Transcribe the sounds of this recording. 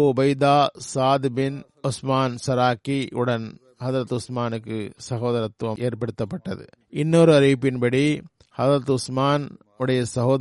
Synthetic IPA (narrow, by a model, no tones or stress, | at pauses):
bɐɪd̪aːsaːd̪bɪn | ʊsmaːnsɐɾaːkiʊɽɐn | hɐðɾɐt̪ʊsmaːnɯkːɯsɐɣoːðɐɾɐt̪ʋɐʔeːɾpɐɽɯt̪ːɐpːɐʈːɐðɯ̰ | ɪnːoɾɯɐɾipːɪnbɐɽi | hɐðɾɐt̪ʊsmaːn | ʊɽɐjɐsɐɣoːð